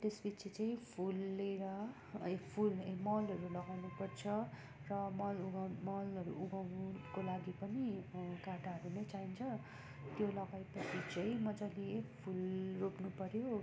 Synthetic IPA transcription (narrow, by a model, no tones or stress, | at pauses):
t̪esbit͡sʰit͡saĩpʰulːeɾʌ | ekpʰulemʌlɦʌɾulʌɡawnupʌrt͡sʰʌ | rʌmʌluɡamʌlʌɾṵuɡawkolaɡipʌnikaʈaɦʌɾunʌjt͡saint͡sʰʌ | t̪jolʌɡajpʌsʰit͡sʌĩmʌd͡zaleekpʰulroknupʌɾjo